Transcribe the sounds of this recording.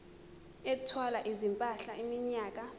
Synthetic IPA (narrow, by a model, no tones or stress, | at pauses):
ɛtʰwalaʔizimpʼaɬaimiɲaːk̬a